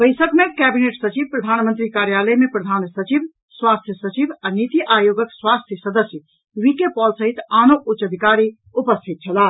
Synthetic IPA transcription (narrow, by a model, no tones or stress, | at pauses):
bəɪsəkmekɛbineʈsət͡ʃibpɾəd̪ʱanmə̃nt̪ɾikaɾjaləjmepɾəd̪ʱansət͡ʃib | swast̪ʰjəsət͡ʃibanit̪ijʔajoɡəkswast̪ʰjəsəd̪əsjə | ʋikepɔlsəɦit̪aːnoʔut͡ʃəd̪ʱikaɾi | upəst̪ʰit̪̚t͡ʃʰəla